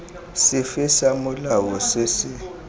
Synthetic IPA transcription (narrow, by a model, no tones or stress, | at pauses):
sɪfɪsamʊlawɔsɪsɪ